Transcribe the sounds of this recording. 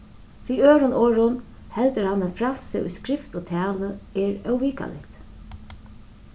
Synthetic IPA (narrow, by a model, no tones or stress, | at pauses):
iːøːɾʊnoːɾʊn | hɛlt̪əɾhanːafɾalsɪ̰ʊ̰jskɾɪft̪oːt̪ʰæːləɛɹœwʋiːka̰lɪ̰ht̪